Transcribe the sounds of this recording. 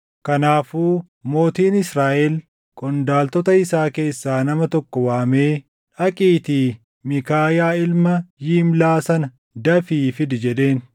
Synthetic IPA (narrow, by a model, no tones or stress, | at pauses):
kɐnaːfuː | mo̞ːt̪iːnɪsɾaːʔɛl | kʼɔnd̪aːlt̪ɔt̪ɐɪsaːke̞ːsːaːnɐmɐt̪ɔkːɔwaːme̞ː | ᶑɐkʼiːt̪iː | mɪkaːjaːɪlmɐjiːmlaːsɐnɐ | d̪ɐfiːfɪd̪ɪd͡ʒɛᶑe̞ːn